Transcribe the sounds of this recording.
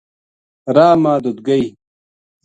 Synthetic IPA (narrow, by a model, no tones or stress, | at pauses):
ɾaːmaːd̪ud̪̚ɡɐi